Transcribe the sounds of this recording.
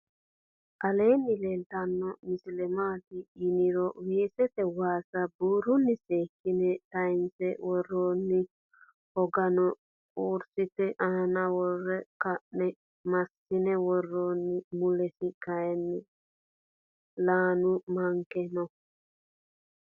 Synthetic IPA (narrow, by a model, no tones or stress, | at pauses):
ʔɐleːnːɪlelt̪ɐnːɔmɪslɛmaːt̪ɪːnɪɾɔweːsɛt̪ɛwaːsɐbuːɾʊnːɪseːkːɪnɛt̪ɐɪnsɛwɔrːoːnːɪ | ɔɡɐnɔ | uːɾsɪt̪ɛʔanɐwɔrːɛkɐʔnɛ | mɐsːɪnɛwɔrːoːnːɪmʊlɛsɪkɐjɛnːɪ | laːnʊmɐŋkɛnɔ